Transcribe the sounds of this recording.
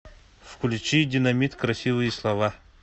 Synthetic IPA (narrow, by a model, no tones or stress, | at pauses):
fkʰulʲit͡ʃidʲinɐmʲit̪kɾɐsʲivɨjislˠɐva